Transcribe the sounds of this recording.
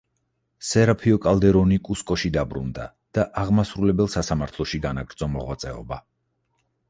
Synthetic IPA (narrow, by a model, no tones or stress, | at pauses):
sɛɾapʰiɔkʼalˠd̪ɛɾɔnikʼuskʼɔʃid̪abɾṵnd̪a | d̪̥aʔaʁmasɾulɛbɛlˠsasamaɾt̪ʰlˠɔʃiɡanaɡɾd̪zɔmɔʁwat̪sʼɛɔ̰ba